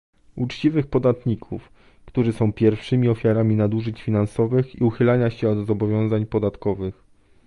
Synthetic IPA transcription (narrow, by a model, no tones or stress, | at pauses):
ut͡ʂt͡ɕivɘxpɔd̪at̪ɲikʰuf | kt̪uʐɘsɔ̃w̃pʲjɛɾfʂɘmʲiɔfʲjaɾamʲinad̪uʐɘt͡ɕfʲinansɔvɘxḭuxɘlaɲaɕɛɔd̪zɔbɔvʲjɔ̃w̃zaɲpɔd̪at̪kɔvɘx